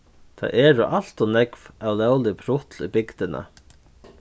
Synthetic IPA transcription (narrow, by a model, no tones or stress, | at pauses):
t̪ʰa̰jɛːɾʊʔal̥t̪ɔnɛkvawlɛwlɪpʰɾʊt̪libɪkt̪ɪna̰